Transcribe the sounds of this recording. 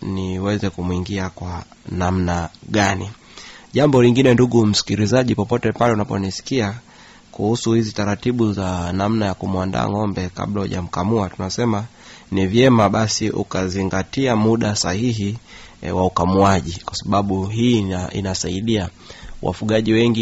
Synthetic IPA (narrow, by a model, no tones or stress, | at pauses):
niwɛzɛkumuiŋɡiakwanamnaɠani | ʄambɔliŋɡinɛnduɠum̩si̥kiɾizaʄipɔpɔtɛpalɛunapɔnisi̥kia | kuhusuhizitaɾatiɓuzanamnajakumuanda̰ːŋɔmbɛka̰ɓlahuʄa̰m̩kamuatunasɛma | nivjɛmaɓasiʔṵkaziŋɡatiamuɗasahiɦiwaukamuaʄikwasaɓaɓuɦiḭnasaiɗia | wʔa̰fuɠaʄiwɛŋɡi